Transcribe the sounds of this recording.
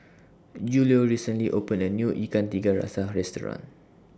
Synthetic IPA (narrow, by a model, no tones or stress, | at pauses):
d͡ʒulioɹisə̃nliʔopə̃nənjuʔikant̪iɡaɹa̰saɹɛstɔɹã̰n